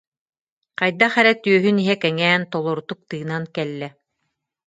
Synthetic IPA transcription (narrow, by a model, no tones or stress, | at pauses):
qɑjd̪aχɛɾɛt̪yœɦyniɦɛkɛŋɛːnt̪ɔlˠɔɾut̪uk̚t̪ɯːnankɛlːɛ